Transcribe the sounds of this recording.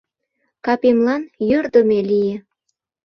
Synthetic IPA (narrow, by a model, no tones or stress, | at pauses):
kɑpemlɑnjørd̪ə̆melije